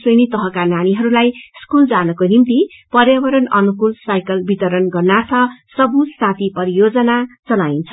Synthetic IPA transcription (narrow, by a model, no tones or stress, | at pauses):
senit̪ʌɦʌ̃kananiɦʌɾulajskuld͡zanʌkonimt̪ipʌrjabʌɾʌnʌnukulsajkʌlbit̪ʌɾʌnɡʌrnart̪ʰʌsʌbusat̪ʰipʌɾijod͡zʌnat͡sʌlaint͡sʰʌ̥